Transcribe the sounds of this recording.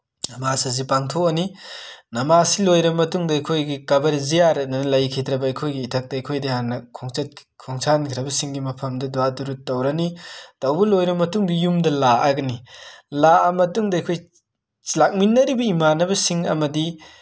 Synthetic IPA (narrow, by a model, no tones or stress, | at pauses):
nɐmasɐzipaŋtʰoɐninɐmasilojɾɐmɐtuŋdɐɐjkʰojɡikɐbɐɾzijaɾɐnɐnɐlɐjkʰidɾɐbɐɐjkʰojɡiːtʰɐk̚tɐːjkʰojdihanːɐkʰoŋt͡ʃɐt̚ | kʰɔŋsʰankʰiɾɐbɐsiŋɡimɐpʰɐmdɐduwaduɾut̚ːɐwɾɐnitɐwbɐlojɾɐmɐtuŋdijumdɐlaʔɐɡɐnilaɐmɐtuŋdɐːjkʰoj | lak̚minːɐɾibɐimanɐbɐsiŋɐ̰mɐdi